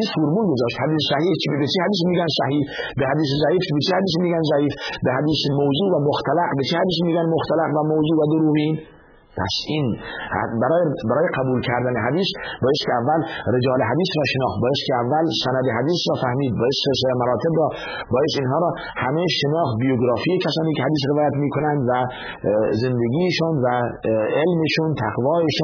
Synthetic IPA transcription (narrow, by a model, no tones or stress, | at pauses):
isfoɾmuːlɡozɒːʃt̪hæd̪iːssæhiːt͡ʃbet͡ʃʰihæd̪iːs̬miːɡænsæhiːhbehæd̪iːs̬ezæiːfbet͡ʃʰehæd̪iːs̬miːɡænzæʔiːfbehæd̪iːsemowzuːvæmoxt̪ʰælæqbet͡ʃʰehæd̪iːs̬miːɡænmoxt̪ælæqvæmowzuːvæd̪oɾuːviːn | pʰæ̰siːnhbæɾɒːjbæɾɒːjeqæbuːlkʰæɾd̪æneɦæd̪iːsbɒːest̪kʰeævːælɾed͡ʒɒːleɦæd̪iːsɾɒːʃenɒːxt̪̚bɒːjest̪kʰeævːælsænæd̪eɦæd̪iːsɾɒːfæhmiːd̪̚bɒːjesseɾs̬elemæɾɒːt̪ʰebɾɒː | bɒːjest̪inɦɒːɾɒː | hæmeʃenɒːxt̪̚bijoɡɾɒːfiːekʲʰæsɒːniːkʰehæd̪iːs̬ɾevɒːjæt̪miːkʰonænd̪væ | zend̪eɡiːʃuːnvæelmeʃuːnt̪ʰæqvɒːeʃuː